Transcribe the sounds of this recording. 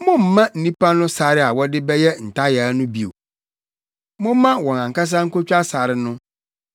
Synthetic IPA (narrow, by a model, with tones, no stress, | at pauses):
mʊ̃˦m̩˨mã˦n̩˨nĩ˦pʰa˦nʊ̃˦sa˨ɾɪ˦a˨wɔ˦dɪ˦bɛ˦jɛ˦n̩˨tʰa˦ja˨˦nʊ̃˦bi˨o̰˨ | mʊ̃˦mã˦wɔ̃˨nã˨ŋ˨ka˦s̬ã˦ŋ̩˦ko˦t͡ɕᶣa˦sa˨ɾɪ˨˦nʊ̃˦